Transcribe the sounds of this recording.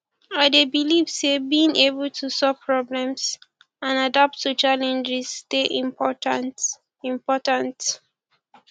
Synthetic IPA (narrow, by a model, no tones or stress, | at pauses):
aɪdebilivsebĩnʔebəltʰusɔv̥pʰɹɔblɛ̃ms | ãnadap̚tːut͡ʃalɛ̃nd͡ʒɪz̥teʔĩmpɔtan | ĩmpɔtãnt